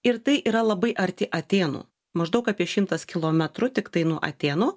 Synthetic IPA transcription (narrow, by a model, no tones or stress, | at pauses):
ɪɾt̪ɐɪʔiːɾɐlˠɐbɐɪʔɐɾʲt̪ʲɪʔɐt̪ʲeːnṵː | mɐʒd̪ɐʊkɑːpʲiɛʃʲɪmt̪ɐskʲɪlˠoːmʲɛt̪ɾʊt̪ʲɪkt̪ɐɪnuɔʔɐ̰t̪ʲeːnʊː